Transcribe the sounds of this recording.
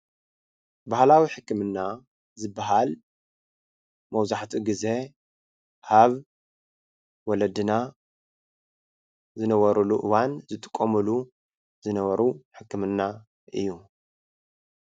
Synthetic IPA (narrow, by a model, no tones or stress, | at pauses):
bahlawiħɨkːɨmɨnːa | zɨbːaɦal | mɐwzaħt̪ʰiɡize̞ | ʔaβ | wɔlɐd̪ɨna | zɨnɐβɐɾuluʔɨwanzɨt̪ʼɨ̥kʼːɐmɨlu | z̥ɨnɐβɐɾuħɨkːɨmɨnːa | ʔɨ̰jːu